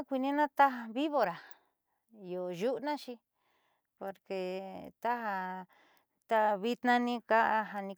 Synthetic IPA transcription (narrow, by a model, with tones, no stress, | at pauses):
kʷi˧nĩ˦nã˦t̪a˦ɦa˧βi˦βo˧ɾa˨ | jo˨ʒu˦ʔnã˦t͡ʃi˧ | po˧ɾke˧t̪a˦ɦa˧ | t̪a˧βi˧t̪nã˧nĩ˦ka˦ʔa˧ɦa˧nĩ˧